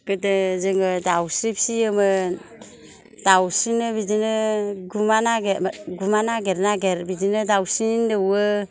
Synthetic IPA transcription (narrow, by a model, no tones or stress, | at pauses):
kɯdɯzɯŋɯdawsɾip̚siəmɯ | dawsinɯbidinɯɡumanaɡeɡumanaɡeɾnaɡeɾbidinɯdawsindɯwɯ